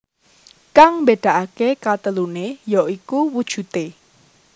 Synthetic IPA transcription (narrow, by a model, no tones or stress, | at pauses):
kaŋmbeɖ̪̥a̤ʔakekat̪əlunejɔʔikuwud̥ʒ̥ṳt̪e